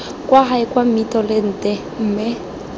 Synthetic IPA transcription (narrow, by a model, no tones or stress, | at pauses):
kʼwaɦaɪkʼwamitɔlɪn̩tʼɛ | m̩ːmɪ